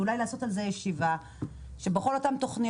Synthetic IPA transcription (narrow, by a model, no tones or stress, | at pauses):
ulajlaːso̞talzejeʃiva | ʃe̞beχo̞lo̞tamt̪o̞χni